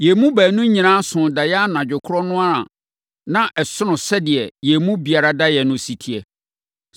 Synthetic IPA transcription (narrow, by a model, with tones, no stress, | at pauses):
jɛ˨mũ˦bæː˨nũ˦ɲĩ˨nãː˦sʊ̃˨da˨jɛ˦a˦nã˨d͡ʑᶣʊ˨kʰʊ˦ɾɔ˦nʊ̃˦a˦ɾã̰˨ | nã˦ʔɛ˨sʊ˦nʊ̃˨sɛ˦dɪ˨ɛ˨jɛ˨mũ˦bi˨a˨ɾa˦da˦jɛ˨nʊ̃˦si˨tʰi˨ɛ˨